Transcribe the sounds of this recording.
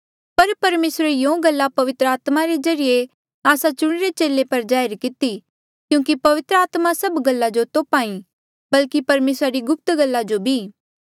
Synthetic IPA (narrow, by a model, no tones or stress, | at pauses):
pɐɾpɐɾmeːsɾejõːɡɐlːapɐʋɪt̪ɾəaːt̪maɾed͡ʒɐɾije | aːsat͡ʃʊɽ̃ɾet͡ʃeːlepɐɾd͡ʒaːɪɾkɪt̪i | kjũːkipɐʋɪt̪ɾəaːt̪masɐbɡɐlːad͡ʒot̪oːpaːĩ | bɐlkipɐɾmeːsɾaɾiɡʊp̚t̪ɡɐlːad͡ʒobʱiː